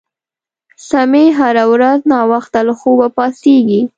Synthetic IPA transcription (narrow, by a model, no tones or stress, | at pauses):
sameɦaɾawɾaznɑwaxt̪alaxowapɑseɡi